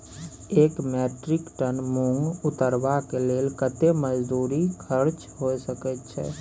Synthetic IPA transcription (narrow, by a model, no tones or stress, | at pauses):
eːkmɛːʈɾɪkʈənmũŋɡʊt̪əɾʋakeleːlkət̪eməd͡ʒd̪uːɾikʰəɾt͡ʃ | ɦoːsəkət̪t͡ʃʰɛ̰ː